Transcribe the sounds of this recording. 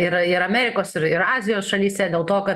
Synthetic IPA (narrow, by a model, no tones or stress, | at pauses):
ɪɾɪɾɐmʲæːɾʲɪkoːsɪɾɪɾɑːzʲɪjoːsʃɐlʲiːst̪ʲɛd̪ʲeːlˠt̪oːkɐt̪